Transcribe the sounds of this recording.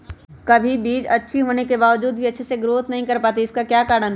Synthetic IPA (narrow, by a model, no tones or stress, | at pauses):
kɐbʱibiːd͡ʒɐtːʃʰiɦoːnekebaːʋd͡ʒuːd̪̚bʱiɐtːʃʰeseɡɾoːt̪nɐɦĩkɐɾpaːt̪̬iɪskakjaːkaːɾɽ̃ən